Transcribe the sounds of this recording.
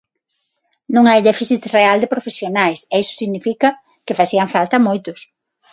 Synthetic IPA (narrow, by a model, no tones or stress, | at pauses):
nũŋajðɛfiθit̪reald̪ɪpɾofesjonajsɛisʊ̥siɣnifikɐ | kɪfaθiɐŋfalt̪ɐmojt̪ʊs